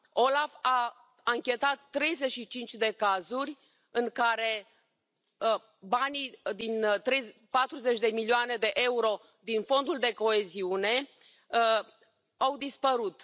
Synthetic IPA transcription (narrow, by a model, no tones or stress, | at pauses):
o̞lafa | aŋkʲe̞t̪at̪ːɾe̞jze̞ʃit͡ʃint͡ʃʲd̪e̞kazurʲ | ɨŋkaɾe̞ | banid̪int̪ɾe̞jpat̪ɾuze̞t͡ʃʲd̪e̞milioane̞d̪e̞ʔe̞uɾo̞ | d̪info̞nd̪uld̪e̞ko̞e̞ziune̞ | awd̪ispəɾut̪